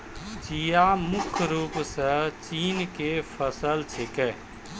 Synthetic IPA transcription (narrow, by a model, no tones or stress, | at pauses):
t͡ʃijamʊkʰɾuːpsət͡ʃiːnkepʰəsəlt͡ʃʰekɛː